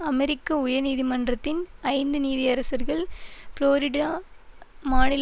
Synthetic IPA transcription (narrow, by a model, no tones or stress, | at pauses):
ɐmɛɾɪkːɐʊjɐniːðimɐndrɐt̪ːɪnɐɪnd̪ɯniːðɪɐɾɐsɐɾɣɐɭfloːɾɪɖaː | maːnɪl